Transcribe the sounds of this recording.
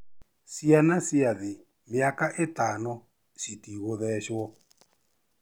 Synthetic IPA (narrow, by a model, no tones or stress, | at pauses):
sianasiaði | miakaʔɪtanɔ | sitiɣoðɛʃwɔ